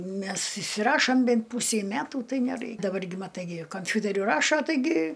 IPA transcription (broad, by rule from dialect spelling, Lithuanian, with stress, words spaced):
ˈmʲɛs ɪʃʲsʲɪˈrɑːʃoːm ˈbʲɛnt ˈpuːsʲɛɪ ˈmʲætuː ˈtɐɪ nʲɛˈrɐɪ dɐˈbɐr ɡʲɪ mɐˈtɐɪ ɡʲɪ kɐmʲˈfʲʊtʲɛrʲʊ ˈrɑːʃoː tɐɪˈɡʲɪ